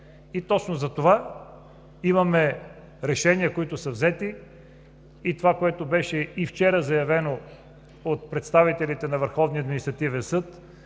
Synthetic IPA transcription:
it̪ɔt͡ʃnozɐt̪ova | imɐmɛ | ɾɛʃɛniəkoit̪ʊsɐvzɛt̪i | t̪ovakoɛt̪obɛʃɛift͡ʃɛɾəzɐjɐvɛno | ot̪̚pɾɛt̪st̪avit̪ɛlit̪ɛnɐvəɾxɔvniəɐd̪minist̪ɾɐt̪ivɛnsɤt̪

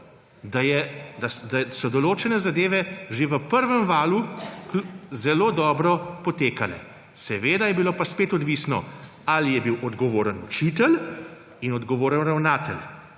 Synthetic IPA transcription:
d̪ajɛd̪ad̪asɔd̪ɔloːt͡ʃɛnɛzad̪eːʋɛʒeʋəpəɾʋəmʋaːlukuzɛloːd̪ɔːbɾɔpɔt̪eːkalɛ̰ | sɛʋeːd̪ajɛbiloːpaspeːt̪ɔd̪ʋiːsnɔ̰ | alijɛbiwʔɔd̪ɡɔʋoːɾənut͡ʃiːt̪ɛl | inɔd̪ɡɔʋoːɾənɾawnaːt̪ɛl

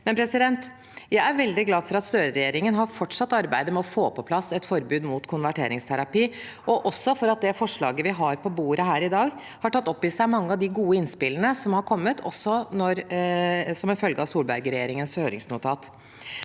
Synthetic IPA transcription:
mɛnpʰɾɛsɪd̪ɛnt̪ | jæɪæɾʋɛld̪ɪɡlɑːfɔɾɑt̪st̪øːɾəɾɛjeːɾɪŋənɦɑɾfɔʈʂɑt̪ːɑɾbæɪd̪əmɛɔfoːpʰɔpʰlɑsɛt̪fɔɾbʉːd̪muːt̪kʰʊnʋæʈʰeːɾɪŋst̪ʰæɾɑpiː | ʔɔʔɔsːɔfɔɾɑt̪̚d̪ɛfɔʂɭɑ̰ːɡəʋɪɦɑɾpʰɔbuːɾəɦæːɾɪd̪ɑːɡ | hɑʈʰɑt̪ːɔpːɪsæɪmɑŋːəɑʋd̪ɪɡuːəɪnspɪlənəsɔmhɑɾkʰɔmːət̪ʰɔ̰sːɔnɔɾ | sɔmɪfœlɡəɑsuːlbæ̰ɾɡəɾɛjeːɾɪŋənshøːɾɪ̰ŋsnʊːt̪ʰɑːt̪

